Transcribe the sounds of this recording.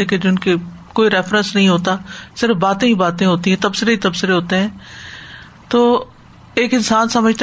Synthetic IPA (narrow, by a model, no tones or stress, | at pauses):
ɛked͡ʒɪnke | koːiɾɛːfɾə̃nsnɐɦĩɦoːt̪aːsɪɾəfbaːt̪ẽɦibaːt̪ẽɦoːt̪ĩɦɛ̃ːt̪ɐbsɪɾeit̪ɐbsɪɾeɦoːt̪eɦɛ̃ː | t̪oː | eːkɪnsaːnsɐməd͡ʒʱt̪